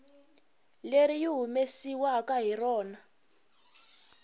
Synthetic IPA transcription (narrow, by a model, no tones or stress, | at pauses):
leɾijiɦumesiwakaɦirɔːna